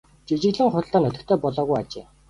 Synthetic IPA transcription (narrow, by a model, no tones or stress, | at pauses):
t͡ɕit͡ɕɪ̆ɣɮɘ̆ŋχʊ̆ɬt̪aːnɵt̪ɵ̆kt̪ʰœːpɔɮɔːɣujat͡ɕḛː